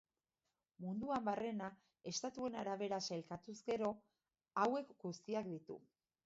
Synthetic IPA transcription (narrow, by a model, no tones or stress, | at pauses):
mund̪uambare̞na | e̞st̪at̪ue̞naɾaβ̞e̞ɾaselkat̪uzɡe̞ɾo̞ | awe̞kɡust̪iak̚d̪it̪ṵ